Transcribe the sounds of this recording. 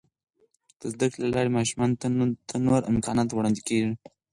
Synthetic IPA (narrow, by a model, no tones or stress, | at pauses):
d̪̥əzd̪akɽlalɑɾemɑʃumɑnt̪ʰanoɾɪ̰mkɑnɑt̪wɽɑnd̪ikeʐi